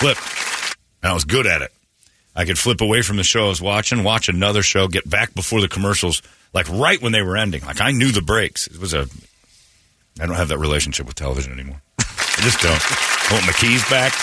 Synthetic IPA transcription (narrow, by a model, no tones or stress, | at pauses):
flɪp̚ | ɨ̃naɪt̚wʌzɡʊɾɨɾɪ̰t̚ | ʔaɪkɨd̥flɪpəweɪfɹʌ̃mðɨʃoʊʌzwɑt͡ʃɪ̃ŋwɑt͡ʃɨnʌðə˞ʃoʊɡɛt̚b̥æk̚b̥əfɔɹðɨkʰəmɜ˞ʃl̩ˠz̥ | laɪkɹaɪʔ̚wə̃nðeɪwə˞ɛ̃ndɪ̰̃ŋla̰ɪkaɪnjʉðɨbɹeɪksɨt̚wʌzɨ | aɪdõʊ̃nthɨvðɨt̚ɹileɪʃn̩ʃɪpwɨð̥tʰɛ̰lˠə̰vɪʒɨ̃nɛ̰nimɔɹaɪd͡ʒʌsd̥õʊ̃ntõʊ̃n̚maɪkʰizbæk